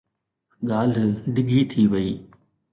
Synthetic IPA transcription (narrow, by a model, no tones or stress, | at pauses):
ɠaːl̤ɖɪɡʱit̪ʰiʋɐiː